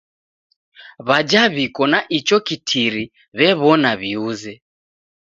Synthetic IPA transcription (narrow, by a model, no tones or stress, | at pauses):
βad͡ʒaβikɔnaʔit͡ʃɔkitʰiɾi | βɛβɔnaβiuzɛ